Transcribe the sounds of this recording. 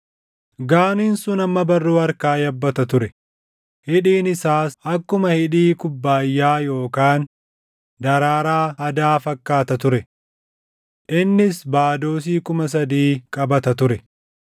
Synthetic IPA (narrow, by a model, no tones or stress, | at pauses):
ɡaːniːnsʊnɐmːɐbɐrːuːɐɾkaːjɐbːɐt̪ɐt̪ʊɾɛ | hɪᶑiːnɪsaːsɐkːʊmɐhɪᶑiːkʊbːaːjːaːjo̞ːkaːn | d̪ɐɾaːɾaːɐd̪aːfɐkːaːt̪ɐt̪ʊɾɛ | ʔɪnːɪsbaːd̪o̞ːs̬iːkʊmɐs̬ɐd̪iːkʼɐbɐt̪ɐt̪ʊɾɛ